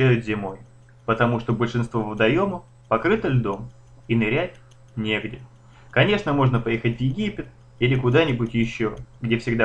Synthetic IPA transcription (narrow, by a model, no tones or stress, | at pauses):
æjʊt̪zʲɪmo̞j | pət̪ɐmuʂt̪obəlʲʂɨnst̪vovvəd̪ɐjo̞mʊ | pɐkɾɨt̪əlʲd̪o̞m | inɪɾʲætʲ | nʲe̞ɡdʲɪ | kɐnʲe̞ʂnəmo̞ʐnəpɐjexətʲvjɪɡʲipʲɪt̪ | ilʲɪkʊd̪anʲɪbʊtʲjɪɕːoɡdʲe̞fsʲɪɡd̪a